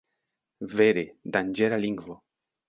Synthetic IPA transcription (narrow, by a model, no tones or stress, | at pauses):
veɾed̪and͡ʒelaliŋɡvo